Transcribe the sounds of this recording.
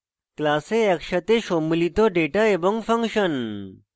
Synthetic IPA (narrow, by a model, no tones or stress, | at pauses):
klaseɐkʂət̪eɕomulit̪oɖeʈaebəŋɡfɐŋkʂən